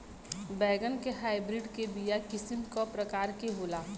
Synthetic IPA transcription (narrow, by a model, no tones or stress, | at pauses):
bɛːɡənkeɦaːɪbɾɪɖkebijakɪsɪmkopɾəkaːɾkeɦoːlaː